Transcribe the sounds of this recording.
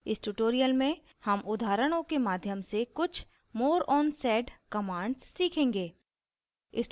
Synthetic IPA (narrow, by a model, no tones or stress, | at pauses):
ɪsʈuʈoːɾijəlmẽ | hɐmʊd̪ʱaːɾəɽ̃õkemaːd̪ʱjəmsekʊt͡ʃʰ | moːɾɔːnsɛːɖkɐmãːɳɖsːiːkʰẽːŋɡeː | ɪ̰s